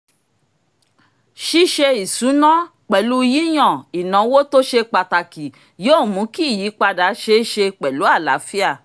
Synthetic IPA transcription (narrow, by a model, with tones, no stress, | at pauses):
ʃi˦ʃe˧i˨su˨˦nã˦ | k͡pɛ˨lu˨˦˧ji˦j̃ɔ̃˦˨i˨nã˨˦wo˦to˦ʃe˧k͡pa˨ta˨ki˨ | jo˦˨mũ˨˦ki˦˨ji˨˦k͡pa˧da˨˦ʃe˧˦ʃe˧k͡pɛ˨lu˨˦a˦˨la̰˨˦fi˦a˦˨